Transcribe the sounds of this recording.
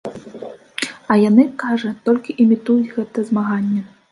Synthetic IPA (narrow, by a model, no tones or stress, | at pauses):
ɐjanɨkaʐɐt̪ɔlʲkʲiʔimʲit̪ujud͡zʲɣɛt̪ɐɛzmaɣanʲːɛ